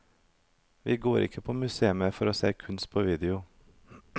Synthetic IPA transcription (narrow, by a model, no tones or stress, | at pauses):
ʋɪɡoːɾʔɪ̰kʰːəpʰɔmʉseːəməfɔɾɔːsḛːkʰʉnst̪̚pʰɔʋiːd̪ɛʊ